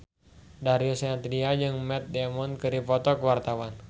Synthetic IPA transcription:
daɾiɔsɛnat̪diad͡ʒɨŋmɛt̪̚dɛmɔnkɨɾipɔt̪ɔkəwart̪awan

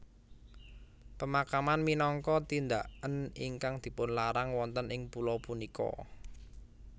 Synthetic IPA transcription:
pəmakamanminɔŋkɔt̪ind̪aʔəniŋkaŋd̪̥i̤pʊnlaɾaŋwɔnt̪ənɪŋpulɔpunikɔ̰

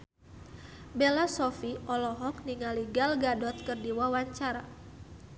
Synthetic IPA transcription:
belasɔfiɔlɔɦɔk̚niŋaliɡalɡadɔt̪̚kərdiwawaɲt͡ʃaɾa

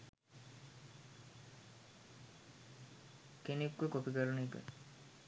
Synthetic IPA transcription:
kenikʋəkopikəɾunːkə̰

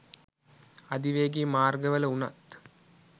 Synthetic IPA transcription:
ɐd̪iʋeːɡimaːrɡɐʋɐlɐunɐ̰t̪ː

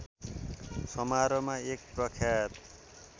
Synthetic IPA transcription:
sʌmaɾʌmaek̚prʌkʰjat̪

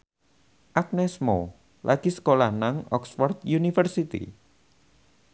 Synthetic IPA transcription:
ʔak̚nɛsmo̰ | lʔaɡ̥isə̥kolahnaŋɔ̰ksfɔrd̪junifərsit̪ḭ

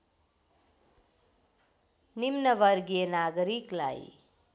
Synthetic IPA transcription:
nimnʌʋʌɾɡijenaɡʌɾikla̰j

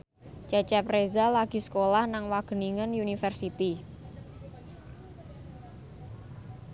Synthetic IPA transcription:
t͡ʃat͡ʃɛprezalaɡ̥i̤sə̥kolahnaŋwaɡ̥ə̤niŋənjunifɛrsit̪i

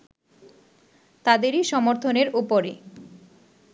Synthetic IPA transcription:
t̪ad̪eɾiʃɔmoɾt̪ʰoneɾupoɾe

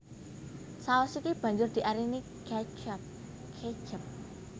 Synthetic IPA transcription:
saɔsikib̥a̤ɲd͡ʒʊrd̪̥i̤ʔaɾini | ɡ̥at͡ʃəp̚ | kʰet͡ʃəp̚

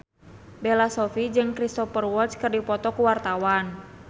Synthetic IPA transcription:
bɛlasɔfid͡ʒɨŋkɾist̪ɔfərwɔt͡ʃkɨrdipɔt̪ɔkuwart̪awan

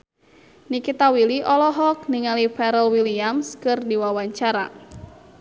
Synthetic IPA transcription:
nikit̪awiliʔɔlɔɦɔk̚niŋalipɛɾəlwiliamskɨrdiwawaɲt͡ʃaɾa̰

